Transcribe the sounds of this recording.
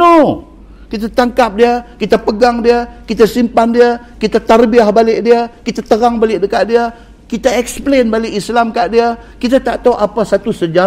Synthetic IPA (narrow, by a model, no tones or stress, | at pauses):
o | kit̪at̪aŋkap̚diəkit̪apəɡaŋdiəkit̪asimpandiə | kit̪at̪arbiahbalɪʔ̚diəkit̪at̪əɾaŋbalɪʔ̚dəkaʔ̚diə | kit̪aɛksə̥plenbalɪʔislamkaʔ̚diəkit̪at̪aʔt̪awʔapasat̪usəd͡ʒa